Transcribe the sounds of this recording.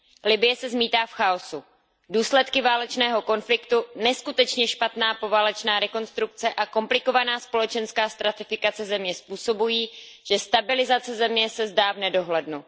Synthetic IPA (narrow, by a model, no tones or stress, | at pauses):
lɪbɪjɛsɛzmiːt̪aːfxaosu | duːslɛt̪kɪvaːlɛt͡ʃnɛːɦo̞ko̞nflɪkt̪unɛskut̪ɛt͡ʃɲɛʃpat̪naːpo̞vaːlɛt͡ʃnaːɾɛko̞nst̪ɾuk̚t͡sɛʔako̞mplɪko̞vanaːspo̞lɛt͡ʃɛnskaːst̪ɾat̪ɪfɪkat͡sɛzɛmɲɛspuːso̞bujiːʒ̥ɛst̪abɪlɪzat͡sɛzɛmɲɛsɛzdaːvnɛdo̞ɦlɛdnu